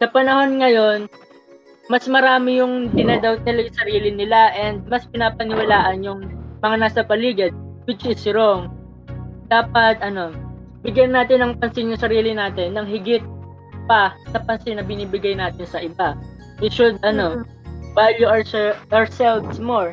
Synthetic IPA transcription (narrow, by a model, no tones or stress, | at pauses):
sɐpɐnɐho̞nŋɐjo̞n | mɐsmɐɾaːmɪjʊŋd̪ɪnad̪ɐwt̪ɐlɐɡasɐɾiːlɪnɪlaʔɛnd̪̚mɐspɪnaːpɐnɪwɐlaːʔɐnjʊŋmɐŋanaːsɐpɐliːɡɐd̪̚wɪt͡ʃɪsɪɾoŋ | d̪̥aːpɐt̪̚ʔɐno̞ | bɪɡjɐnnːaːt̪ɪnɐŋpɐnsɪnjʊŋsɐɾiːlɪnaːt̪ɪnːɐŋɦɪɡɪt̪̚ | pɐsɐpɐnsɪnːɐbɪniːbɪɡajnaːt̪ɪnsɐʔɪba | wɪʃʊd̪̚ɐno̞ | valjuɐɔɹsɛlvsmoɹ